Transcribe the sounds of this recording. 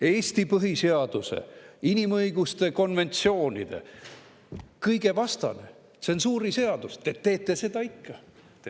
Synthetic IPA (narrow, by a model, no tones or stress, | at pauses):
e̞ːst̪ipɤɦiseɑd̪̥usḛinimɤjɡ̥ust̪e̞ko̞nve̞nʲt̪sio̞ːnʲḭd̪̥e̞̰ | kɯjɡ̥e̞vɑst̪ɑ̰nḛ | seonsuːɾise̞ɑd̪̥ust̪et̪ːe̞ːt̪ˑːe̞se̞d̪̥ɑikːɑ